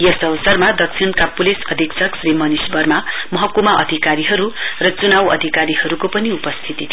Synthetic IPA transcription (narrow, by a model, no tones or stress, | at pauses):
jʌsʌbʌsʌrmad̪ʌk̚sʰinkapulisʌd̪ʱiksʰʌksrimʌnisbʌrmamʌɦʌkumaʔʌ̰d̪ʱikaɾiɦʌɾurʌt͡sunawʌ̰d̪ʱikaɾiɦʌɾukopʌniupʌst̪ʰit̪it̪ʰi